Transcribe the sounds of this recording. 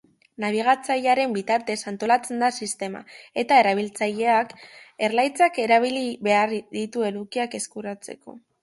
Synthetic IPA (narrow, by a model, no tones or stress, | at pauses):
naβ̞iɣ̞at͡saʎaɾe̞mbit̪aɾt̪e̞sant̪o̞lat͡se̞nd̪asist̪e̞ma̰e̞t̪ae̞ɾaβ̞ilt͡saʎe̞ake̞ɾlajt͡sake̞ɾaβ̞iliβe̞aɾðit̪ue̞lukiake̞skuɾat͡se̞̰ko̞̰